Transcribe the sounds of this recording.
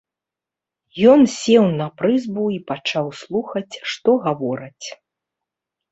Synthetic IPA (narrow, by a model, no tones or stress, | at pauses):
jɔnsʲɛwnɐpɾɨzbuipat͡ʂawslˠuxɐt͡sʲʂt̪ɔɣavɔɾɐt͡sʲ